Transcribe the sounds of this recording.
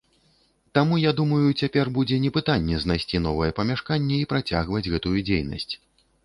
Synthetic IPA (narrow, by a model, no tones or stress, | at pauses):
t̪amujad̪umɐjut͡sʲapʲɛrbud͡zʲɛnʲɛpɨt̪anʲːɛznajsʲt͡sʲin̪ɔvɐjɛpɐmʲaʂkanʲːɛipɾat͡sʲa̰ɣvɐd͡zʲɣɛt̪ujud͡zʲejnɐ̰sʲt͡sʲ